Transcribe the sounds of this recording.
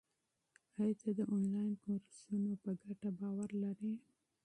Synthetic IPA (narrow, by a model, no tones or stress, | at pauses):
hajt̪ad̪əʔɔnlɑjnkoɾsunopəɡaʈabɑwaɾlaɾi